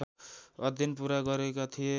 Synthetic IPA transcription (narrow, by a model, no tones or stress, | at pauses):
ʌd̪ʱjinpuɾaɡʌɾekat̪ʰije